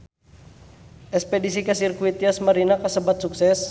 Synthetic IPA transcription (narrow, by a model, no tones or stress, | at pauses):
ʔɛkspɛdisikəsirkuit̪iasməɾinakəsəbat̪̚suksɛs